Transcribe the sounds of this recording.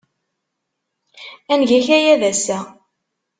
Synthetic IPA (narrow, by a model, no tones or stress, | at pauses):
ænʝæçæjæðæsæ